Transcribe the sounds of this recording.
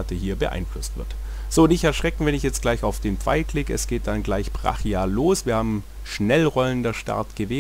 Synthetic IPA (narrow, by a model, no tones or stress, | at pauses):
atəhiːɐbəʔa̰ɪnflʊstv̥ɪ̰ɐt | z̥oːnɪçɛɐʃʁ̥ɛkŋ̩vɛnɪçjɛt͡stɡ̥laɪçaʊfd̥eːnp͡fa̰ɪkʰlɪːɡəɛsɡ̥eːt̚d̥anɡlaɪçpʁ̥a̰χjaːloːsv̥iːɐhaːbm̩ | ʃnɛlʁɔləndəɐʃta̰ɐtɡ̥əveː